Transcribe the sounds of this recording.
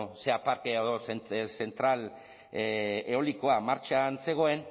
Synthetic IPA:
se̞apaɾkeaðosese̞nt̪ɾal | eo̞liko̞amaɾt͡ʃanse̞ɣ̞o̞e̞n

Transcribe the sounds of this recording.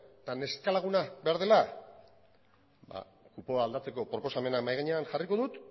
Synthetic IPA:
t̪ane̞skalaɣ̞unabeaɾð̞e̞la | ba̰ | kupo̞aːld̪at͡se̞ko̞pɾo̞po̞same̞nakmajɣaɲe̞anxariko̞ðut̪

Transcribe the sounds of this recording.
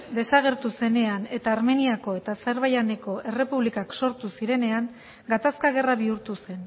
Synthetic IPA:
d̪e̞saɣ̞e̞ɾt̪use̞ne̞ane̞t̪aːɾme̞niako̞e̞t̪aseɾβajane̞ko̞ʔe̞re̞puβlikakso̞ɾt̪usiɾe̞ne̞aŋ | ɡat̪askaɣ̞e̞raβiuɾt̪use̞n

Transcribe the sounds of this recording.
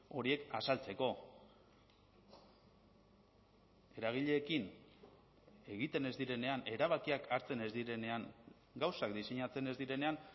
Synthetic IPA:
o̞ɾie̞kasalt͡se̞ko̞ | e̞ɾaɣ̞iʎe̞ːkin | e̞ɣit̪e̞ne̞zd̪iɾe̞ne̞ane̞ɾaβ̞akiakaɾt͡se̞ne̞zd̪iɾe̞ne̞aŋ | ɡawsakd̪ise̞ɲat͡se̞ne̞zd̪iɾe̞ne̞an

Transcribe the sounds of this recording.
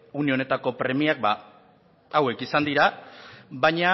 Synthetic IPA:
unio̞ne̞t̪ako̞pɾe̞miak̚ba | awe̞kisand̪iɾa | baɲa

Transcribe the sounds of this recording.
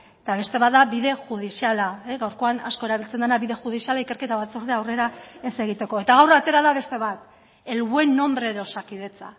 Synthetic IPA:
et̪aβe̞st̪e̞βat̪̚d̪aβiðe̞ʝuð̞isialaɣawɾko̞ana̰sko̞eɾaβilt͡send̪anaβiðe̞ʝuð̞isialaike̞ɾke̞t̪aβat͡so̞ɾðeawre̞ɾaese̞ɣ̞it̪e̞ko̞e̞t̪aɣ̞awrat̪e̞ɾaðaβe̞st̪e̞β̞at̪ | e̞lɣue̞nːo̞mbɾe̞ðo̞sakiðe̞t͡sa

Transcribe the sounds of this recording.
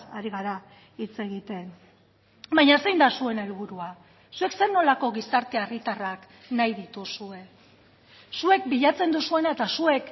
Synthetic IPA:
a̰ɾiɣ̞aɾa | it͡se̞ɣit̪e̞n | bajɲasejnd̪asue̞ne̞lβuɾua | sue̞kse̞ɾno̞lako̞ɣisaɾt̪e̞arit̪arak | najðit̪usue̞ | sue̞k̚biʎat͡se̞nd̪usue̞naet̪asue̞k

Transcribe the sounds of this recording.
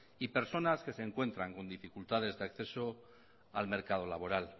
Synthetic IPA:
ipe̞ɾso̞naske̞seːŋkwe̞nt̪ɾaŋko̞nd̪ifikult̪að̞e̞zðeakθe̞so̞ | alme̞ɾkað̞o̞laβo̞ɾal

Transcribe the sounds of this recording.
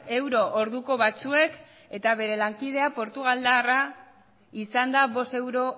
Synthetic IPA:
e̞wɾo̞ʔoɾðuko̞βat͡sue̞k | e̞t̪aβ̞e̞ɾe̞laŋkið̞e̞apo̞ɾt̪uɣald̪ara | isand̪aβo̞st̪e̞wɾo̞

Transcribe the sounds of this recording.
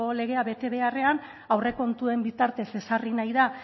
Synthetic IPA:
ole̞ɣ̞e̞aβe̞t̪e̞βe̞are̞an | awre̞ko̞nt̪ue̞mbit̪aɾt̪e̞se̞sarinajða

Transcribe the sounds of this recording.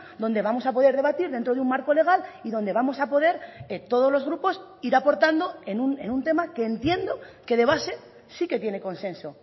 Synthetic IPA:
d̪o̞nd̪e̞βamo̞sapo̞ð̞e̞ɾðe̞βat̪iɾðent̪ɾo̞ðeummaɾko̞le̞ɣ̞aliðo̞nd̪e̞βamo̞sapo̞ðe̞ɾet̪o̞ð̞o̞zlo̞zɣ̞ɾupo̞siɾapo̞ɾt̪and̪o̞enunenunt̪e̞makeːnt̪je̞nd̪o̞ke̞ð̞e̞βase̞ | siket̪je̞ne̞ko̞nsẽ̞nso̞

